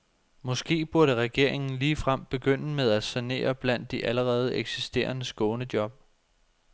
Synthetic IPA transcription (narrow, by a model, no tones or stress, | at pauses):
mɒ̽sɡ̥e̝̰ːb̥uɐɾəʁɛɡ̥e̝ɐ̰e̝ŋn̩liːfʁam̰b̥e̝ɡ̥øn̰əmeð̞ˠæ̥sæne̝̰ːɐb̥læn̰d̥ːiʔæləʁɛːð̞̩ˠeɡ̥sisd̥e̝̰ːɐnəsɡ̥ɔ̽ːnəd̥jɒ̽b̥̚